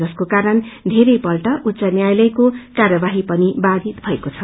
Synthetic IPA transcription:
ʌskokaɾʌnd̪ʱeɾʌjpʌlʈʌʔutːt͡sʌnjajlʌjkokarʌbaɦipʌnibad̪it̪bʱʌekot͡sʰʌ

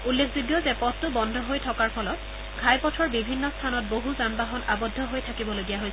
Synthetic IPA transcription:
ulːekʰzudjɔzɛpɔstʊbɔndʱɔɦojtʰɔkaɹpʰɔlɔt | ɡʱajpɔtʰɔɹbibʱinːɔstʰanɔt̚boɦuzanbaɦɔnabɔdʱːɔɦojtʰakibɔloɡijaɦojs

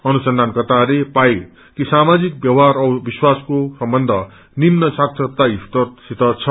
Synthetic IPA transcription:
ʌnusʌnd̪ʱankʌt̪alepaj | kisamad͡zik̚bjʌwɦaɾʌbiswaskosʌmbʌnd̪ʱʌ | nimnʌsaksʰʌt̪aist̪ʌrsit̪ʌt͡sʰʌ

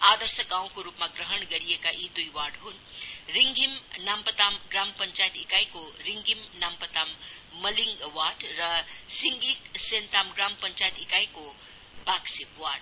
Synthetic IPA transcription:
ad̪ʌrsʌkaw̃koɾupmaɡrʌɦʌnɡʌɾiekaʔid̪ujwaɖɦunriŋɡʱimnampət̪amɡrampʌnt͡ʃajt̪ikajkoɾiŋɡʱimnampət̪amːʌliŋɡwaɖrʌsiŋɡiksent̪amɡrampʌnt͡ʃajt̪ikajko | baksipwaɖ

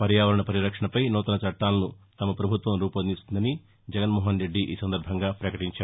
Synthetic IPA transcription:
pɐɾjaːʋɐɾɐɳɐpɐɾiɾɐkʂɐɳɐpɐjnɔːt̪ɐnɐt͡ʃɐʈːaːlɐnut̪ɐmɐpɾɐbʱut̪ʋɐmɾuːpɐnist̪und̪ɐni | d͡ʒɛɡɐnmɔːɦɐnɾe̞ɖːiʔḭːsɐnd̪ɐɾbʱɐŋɡaːpɾɐkɐʈiɲt͡ʃaːɾ

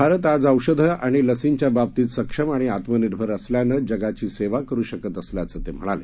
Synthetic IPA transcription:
bʱaɾət̪ad͡zəwɕəd̪ʱəʔaɽ̃iləsint͡ɕjabab̚t̪iːt̪səkʂəmaɽ̃iat̪məniɾbʱəɾəsljanəːd͡ʑəɡat͡ɕiːseʋakəɾuːɕəkət̪əsljat͡səːt̪em̤əɽ̃alḛ

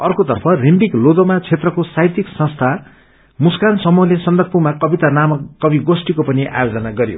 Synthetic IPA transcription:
ʌrkot̪ʌrpʰʌrimbiklod̪omat͡sʰet̪rʌkosajt̪iksʌ̃st̪ʰa | muskansʌmuɦlesʌnd̪ʌk̚pumakʌbit̪anamʌʌbiɡosʈikopʌniʔa̰jod͡zʌnaɡʌɾjo̰

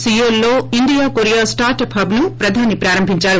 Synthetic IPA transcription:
sijoːlːoːind̪ijaːkoɾijaːsʈaːɾʈɐpɦɐbnupɾɐd̪ʱaːnipɾaːɾɐmbʱiɲt͡ʃaːɾu

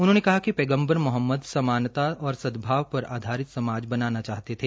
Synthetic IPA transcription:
ʊnɦõːnekɐɦakipeːɡə̃mbəɾmʊɦəmːəd̪sɐmaːnt̪aɔːɾsɐd̪bʱaːʋpɐɾa̰ːd̪ʱaːɾɪt̪sɐmaːd͡ʒbɐnaːnat͡ʃaːɦt̪et̪ʰeː

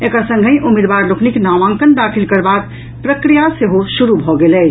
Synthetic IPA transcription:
ekəɾsə̃ŋɡʱə̃jʔumed̪baɾlokʰniknaʋãŋkənd̪akʰilkəɾbak̪ | pɾəkɾijaseɦosuɾubʱɔɡelɛt͡ʃ

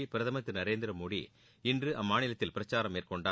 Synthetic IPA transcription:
ipɪɾɐðɐmɐt̪ːɯnɐɾeːnd̪ɪɾɐmoːɽḭ | ɪndrɯʔɐmːaːnɪlɐt̪ːɪlpɪɾɐt͡ʃːaːɾɐmːeːrkɔɳɖaː

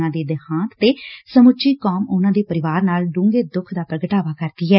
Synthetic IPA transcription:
ãːd̪eːd̪əhãːt̪ːeːsəmʊt͡ʃiːkoːmʊnãːd̪eːpəɾɪʋaːɾnaːlɖũːŋɡeːd̪ʊkʰd̪aːpɾəɡəʈaːʋaːkəɾd̪iːɦɛː

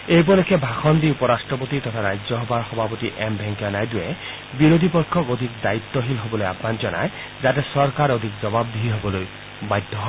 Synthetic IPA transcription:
ejp̬ɔlekʰːɛbʱaxɔndiupɔɹasʈɹɔpot̪it̪ɔt̪ʰaɾajzɔɦɔbaɹxɔbʱapot̪iʔɛmbʱɛŋkanajdʊjɛ | biɾod̪ʱipɔkʰːɔkod̪ʱik̚dait̪ːɔɦilɦobɔlojabʱːanzɔna̰j | zatɛsɔɹkaɹod̪ʱikzɔbab̚d̪iɦiɦobɔloj | bajd̪ʱːɔɦɔ

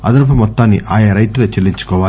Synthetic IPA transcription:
ɐ̰d̪ɐɾp̬ɐmɔt̪ːaːnːḭʔaːjɐɾɐjt̪uloːt͡ʃelːiɲt͡ʃu̥kɔːʋaː

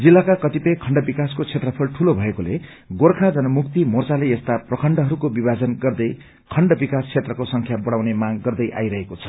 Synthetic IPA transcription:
d͡zilːakakʌt̪ipʌjkʰʌɳɖʌbikaskot͡sʰet̪rʌpʰʌlʈʰulobʱʌekole | ɡorkʰad͡zʌnʌmuk̚t̪imort͡saleest̪aprʌkʰʌɳɖʌɦʌɾukobibad͡zʌnɡʌrd̪ʌj | kʰʌɳɖʌbikast͡sʰet̪rʌkosʌŋkʰjabʌɽawnemaɡːʌrd̪ʌjʔa̰jɾʌɦekot͡sʰʌ̥

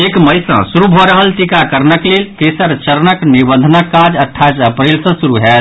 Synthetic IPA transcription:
ekməɪsə̰̃suɾubʱɔɾəɦəlt̪ikakəɾnəklelkesəɾt͡ʃəɾnəknibə̃nd̪ʱənəkːad͡ʒəʈʰːajsəpɾelsə̃suɾuɦɛ

